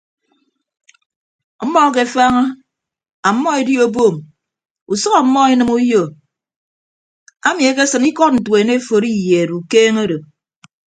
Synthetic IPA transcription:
m̩˦mɔ˦˨k̬e˨fa˦ŋa˦ | a˨m̩˦mːɔ˦e˨di˦o˦boː˦˨m | u˨sʌ˦ɣɔ˨m̩˦mːɔ˦i˦nɨ˦mu˦jo˦˨ | a˦mi˨e˨k̬e˦sɨ˨ni˦kɔ˦t̚n̩˨twe˨ne˦fo˨ɾi˦je˨ɾu˨keː˦ŋo˦do˨

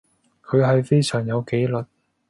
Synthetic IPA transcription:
kʰɵ˨˧ɥɦɐ˨jfe˥jsœː˨˩ŋjɐ˨˧wke˨˥jlɵ˨˩t̚

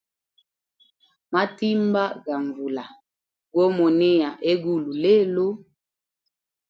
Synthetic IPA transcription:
ma˦ti˦mba˦ɡa˨ɱvu˨la˨ | ɡɔ˦mɔ˨nɛ˦ja˨ʔe˦ɡu˦lu˨le˦˨lo˦

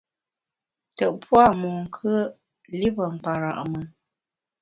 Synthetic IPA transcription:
tə˨ʔpwa˦˨mu˨ŋ̩˨kʰə˦ | li˦pə˨ŋ͡m̩˨k͡pa˨ɾa˨ʔmə˨

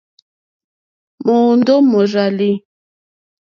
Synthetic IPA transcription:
mo˨n˦do˦mo˨ɾa˨li˦

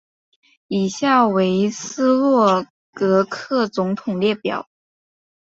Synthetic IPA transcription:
i˨˩ɕja˥˩we˧˥ɪsɹ̩˥lwɔ˥˩ | kɤ˧˥kʰɤ˥˩t͡sʊ˧˥ŋt̪ʰʊ˨˩ŋljɛ˥˩pjɑ̰˨˩˦ʊ

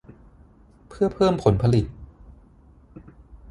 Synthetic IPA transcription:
pʰɯ˥˩ɐpʰɤː˥˩mpʰo˩˦npʰa˧li˨˩t̪̚

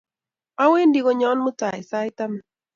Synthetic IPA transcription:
a˦we˦ndi˦ɡo˦ɲɔ˦nmʊ˦ta˨ɪ˨sa˦ɪ˦ta˦ma˦˨

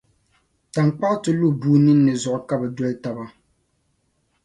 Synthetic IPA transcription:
ta˨ŋ˨k͡pa˦ʔtɨ˨lu˦˨buː˦nɨ˦nː˦ɨ˨zʊ˨ʔʊ˨ka˦bɛ˨dɔ˦lta˨ba˦

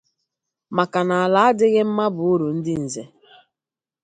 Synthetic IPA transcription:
ma˨ka˨na˨a˨la˨a˦dɪ˦ɣɪ˦m̩˦ma˦bʊ˨˦u˦ɾu˨n̩˦dɪ˦n̩˨ze˨

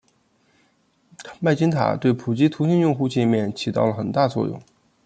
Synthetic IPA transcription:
ma˥˩ɪt͡ɕi˥ŋt̪ʰa̰˨˩t̪we˥˩ɪpʰu˨˩t͡ɕi˥t̪ʰu˧˥ɕi˥˧njʊ˥˧ŋxu˥˧t͡ɕɛ˥˧nmjɛ˥˩nt͡ɕʰi˨˩t̪ɑ˥˩ʊlə˩xə˨˩nt̪a˥˧t͡swɔ̰˥˧jʊ̰˥˩ŋ

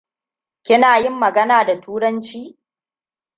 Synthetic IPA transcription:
kʲɪ˦naː˨jɪ˦mːɐ˨ɡɐ˦naː˨da˨tʰuː˦ɾɐ˦nt͡ʃiː˦

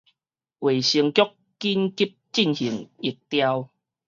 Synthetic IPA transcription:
we˨˩ɕi˧əŋkjɔ˦k | kːi˦nki˦˥p̚t͡ɕi˥˨nhi˨˩əŋi˨˩t̚t̪ja˦w

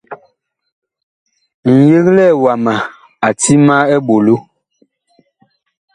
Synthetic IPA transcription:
ŋ̩˨je˦klɛ˦˨wa˨ma˨ | a˨ti˦ma˦ɛ˦bo˨lo˦

